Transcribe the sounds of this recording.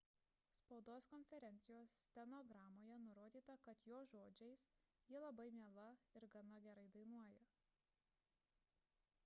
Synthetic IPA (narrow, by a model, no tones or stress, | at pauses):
spɐʊd̪oːskɔnʲfʲɛɾʲɛnʲt̪sʲɪjoːsːʲt̪ʲɛnɔɡɾɑːmoːjɛnʊɾoːd̪ʲiːt̪ɐkɐt̪joːʒoːd͡ʒʲɛɪsjiɛlˠɐbɐɪmʲiɛlˠɐɪɾɡɐnɐɡʲɛɾɐɪd̪ɐɪnuɔjɛ